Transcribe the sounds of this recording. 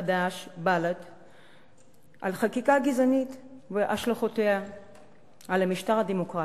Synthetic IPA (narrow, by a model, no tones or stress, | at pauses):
adaʃbalat | ʔalχakikaɡizanit̪ | veʔaʃlaχotea | alamiʃtaʁad̪emokʁa